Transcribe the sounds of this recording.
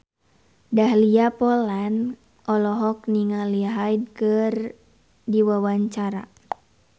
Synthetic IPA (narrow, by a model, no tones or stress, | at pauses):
daɦliapɔlan | ʔɔlɔɦɔk̚niŋaliaɦajd̚kɨr | diwawaɲt͡ʃaɾa̰